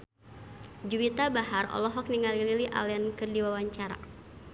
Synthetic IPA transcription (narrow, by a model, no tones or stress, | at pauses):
d͡ʒuwit̪abaɦarɔ̰lɔɦɔk̚niŋalililiʔa̰lɛankɨrdiwawaɲt͡ʃaɾa̰